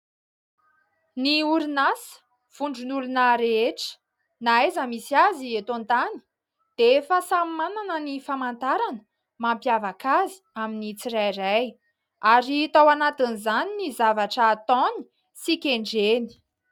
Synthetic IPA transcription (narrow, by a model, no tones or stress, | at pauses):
niuɾinasə̥ | v̥uɳɖ͡ʐunulunaɾeeʈ͡ʂə̥ | naezəmisiaziet̪ont̪ani̥ | d̪̥efasammananənifamant̪aɾanə | mampjavakazi̥aminit͡siɾajɾaj | aɾit̪awanat̪inizaninizavaʈ͡ʂəːt̪ɔni̥ | sikʲeɳɖ͡ʐeni̥